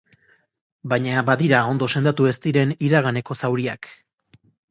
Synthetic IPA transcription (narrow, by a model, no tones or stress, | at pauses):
bajɲabaðiɾao̞nd̪o̞se̞nd̪at̪ue̞st̪iɾe̞niɾaɣane̞ko̞sawɾiak